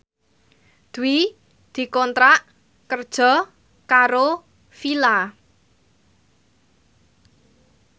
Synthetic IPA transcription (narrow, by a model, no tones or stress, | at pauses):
d̪̥uwi | d̪̥i̤kɔnt̪ɾaʔ | kərd̥ʒ̥ɔ̤ | kaɾo | fila